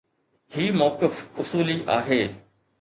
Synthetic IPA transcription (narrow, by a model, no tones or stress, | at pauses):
ɦiːmɔːkɪfʊsuːliʔa̰ːɦeː